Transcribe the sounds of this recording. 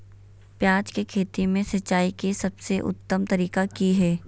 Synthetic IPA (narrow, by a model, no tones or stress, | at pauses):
pjaːd͡ʒkekʰeːt̪imẽsɐt͡ʃːaːikesɐbseʔʊ̰t̪ːəmt̪ɐɾiːkakiɦɛː